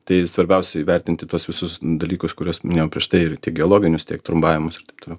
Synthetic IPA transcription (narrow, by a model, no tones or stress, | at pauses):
t̪ɐɪsʋɐɾʲbʲɛʊsʲɛɪʋʲɛɾʲt̪ʲɪnʲt̪ʲɪt̪uɔsʋʲɪsʊsd̪ɐlʲiːkʊskʊɾʲuɔsɐnʲeɛjopʲɾʲiɛʃt̪ɐɪɪɾt̪ʲiɛk̚ɡʲoːlˠoːɡʲɪnʲʊst̪ʲiɛkt̪ɾʊmbɑːʋʲɪmʊsɪrt̪ɐɪpt̪oːlʲɛʊ